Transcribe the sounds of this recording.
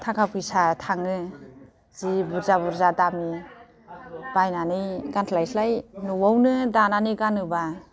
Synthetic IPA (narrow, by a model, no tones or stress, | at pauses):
tʰakʰap̚ɯsatʰaŋɯ | z̥ibuɾzabuɾzadami | b̥ajnanijɡantʰlajsʰlajnuwawnɯdananiɡanɯba